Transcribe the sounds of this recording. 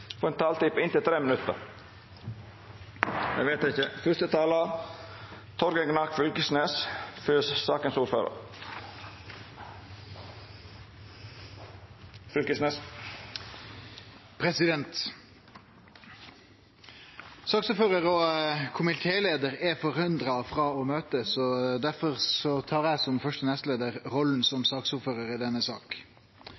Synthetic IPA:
fɔɾɛnt̪ʰɑːlt̪ipɪnt̪ɪlt̪ʰɾeːmənʉt̪ːə̰ɾ | æ̰ɡʋeːt̪ɪçəfʏst̪ət̪ʰɑːlɑ | t̪ʰɔɾɡəɡnɑkfʏlkəsneːsføssɑːkənsuːɾføːɾə̰ɾ | fʉlkəsneːs | pʰɾɛsɪd̪ɛnt̪ | sɑːksuːɾføːʁəʁɔkʰʊmɪt̪ʰeːleːd̪əɾɛfɔɾʉnd̪ɾɑfɾɑːɔmøːt̪əsɔd̪æɾfɔʁsɔt̪ʰɑːɾæsɔmfœʂʈənɛst̪leːd̪əʁʁɔln̩sɔmsɑːksuːɾføːɾəɾɪd̪ɛnːəsɑ̰ːk

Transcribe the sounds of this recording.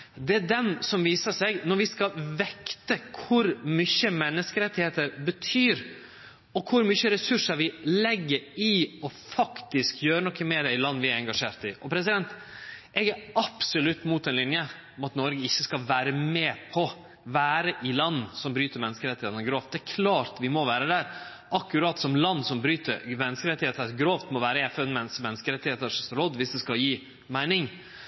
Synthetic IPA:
d̪ɛæɖɛnsɔmʋiːsəsɛɡnɔɾʋɪskɑlʋɛkt̪əkʰʊɾmyçəmɛnːəskəɾɛt̪ːɪheːt̪əɾbət̪ʰyːɾ | ɔkʰʊɾmyçəɾɛsʉʂəɾʋɪlɛɡːəɾɪɔfɑkt̪ɪskjøːɾənɔkʰːəmeːɾæɪlɑnːʋɪæɾɛŋɡɑʂeːɾt̪ɪʔɔpʰɾɛsɪd̪ɛnt̪ɛɡæɾɑpsɔlʉt̪ːmuːt̪ɛnlɪnjə | ɔmɑt̪nɔɾɡəɪçːəskɑʋæːɾəmeːpʰɔ | ʋæːɾəʔɪlɑnːsɔmbɾyːt̪əɾmɛnːskəɾɛt̪ɪheːt̪nəɡɾoːft̪̚d̪ɛækʰlɑːɾt̪ʋɪmɔʋæːɾəd̪æɾ | ʔɑkːʉɾɑːt̪sɔmlɑnːsɔmbɾyːt̪ə̰ɾmɛnːəskəɾɛt̪ːɪheːt̪ənəɡɾoːft̪mɔʋæːɾəɛfœnmɛnsmɛnːəskəɾɛt̪ːɪheːt̪əɾʂɛst̪əɾɔd̪ʋɪsd̪ɛskɑjiː | mæɪnɪŋ

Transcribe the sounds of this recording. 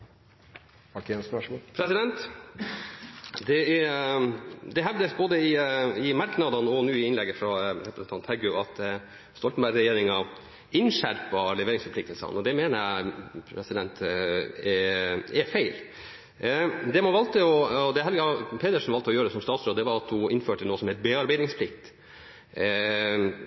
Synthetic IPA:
ɑknsæʂmpʰɾɛsɪd̪ɛnt̪ | d̪ɛɛ | d̪ɛɦɛʋd̪əsboːd̪əɪɪmɑɾknɑd̪ɑnɔnuːɪɪnlɛɡːəfɾɑɾɛpɾəsn̩t̪ɑnt̪hæɡʉɑt̪ | st̪ɔlt̪n̩bæɾɛjeːɾɪŋɑ | ɪnʂæɾpɑlɛʋeːɾɪŋsfɔɾpʰlɪk̚t̪əlsɑ̰nɔd̪ɛmeːnəæpʰɾɛsɪd̪ɛnt̪ɛɛfeɪl | d̪ɛmɔʋɑlt̪əɔd̪ɛɦɛlɡəɑpʰeːd̪əʂnʋɑlt̪əɔjøːɾd̪ɛsɔmst̪ɑːt̪sɾoːd̪d̪ɛʋɑɾɑt̪hʊɪnføːʈənoːsɔmhɛɪt̪beːɑɾbæɪd̪nɪŋspʰlɪkt̪

